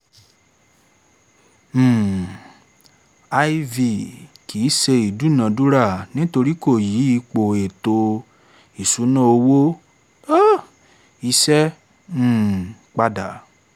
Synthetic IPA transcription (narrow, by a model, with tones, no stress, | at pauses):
a˧i˧vi˨ki˨˦se˧i˨du˨˦nã˨du˦ɾa˦˨nĩ˦to˧ɾi˦ko˦˨ji˨˦i˦˧k͡po˨e˨to˧ | i˨su˨˦nã˦o˧wo˦ | a˦ | i˧sɛ̃˦˨ | k͡pa˧da˨